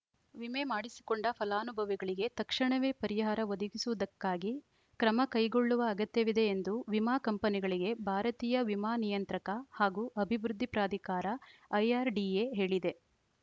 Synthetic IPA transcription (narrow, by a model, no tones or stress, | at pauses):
ʋime̞maːɽisi̥koɳɖɐpʰɐlaːnubʱɐʋiɡɐɭiɡe̞t̪ɐkʂɐɳɐʋe̞ːpɐɾiɦaːɾɐʋod̪ɐɡisuʋɐd̪ɐkːaːɡi | kɾɐmɐkɐjɡo̞ɭːuʋɐːɡɐt̪jɐʋid̪e̞ːnd̪uʋimaːkɐmpɐniɡɐɭiɡe̞bʱaːɾɐt̪iːjɐʋimaːnijɐnt̪ɾɐkɐhaːɡuːʔɐbʱibɾud̪ʱːipɾaːd̪ʱikaːɾɐɐjaːɾɖieɦe̞ːɭid̪e̞